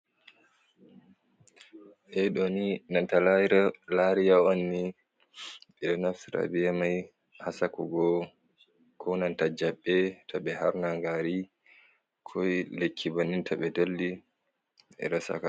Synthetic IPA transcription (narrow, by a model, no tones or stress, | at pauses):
ʔɛɗoninantalaɾalaɾijaonːi | ɓɛɗɔnafsiɾa̰biamaj | hasakɔ̰ɡɔ | kʰɔnantad͡ʒaɓːɛtʰaɓɛhaɾnaŋɡaɾi | kʰɔjlekʰːibanːintʰaɓɛdelːi | ɛ̰ɾasa̰ka